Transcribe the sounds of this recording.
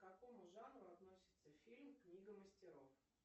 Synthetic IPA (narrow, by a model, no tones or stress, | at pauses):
kɐko̞mʊʐanɾʊɐt̪no̞sʲɪ̥t̪səfʲilʲmknʲiɡəməsʲtʲɪɾof